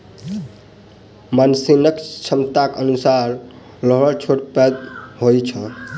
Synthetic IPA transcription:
mansinəkt͡ʃʰəmt̪akənusaɾ | ləɦət͡ʃʰoʈped̪ɦojt͡ʃʰə̃

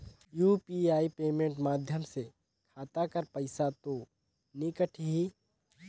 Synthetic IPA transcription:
juːpiaːipeːmẽːɳʈmaːd̪ʱjəmse | kʰaːt̪akəɾpəɪsat̪o | nɪkəʈʰɦiː

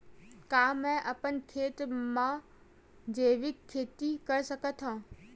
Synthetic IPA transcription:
kaːmɛ̃ʔɐpənkʰeːt̪mã | d͡ʑeːʋɪkʰːeːt̪ikɐɾsɐkət̪ʰãː

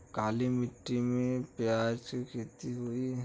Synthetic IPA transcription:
kaːlimɪʈːimẽpjaːd͡ʒkikʰeːt̪iɦui

